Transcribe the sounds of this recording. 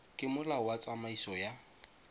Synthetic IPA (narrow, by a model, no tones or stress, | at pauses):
kʼɪmʊlaʊwat͡sʼamaisɔja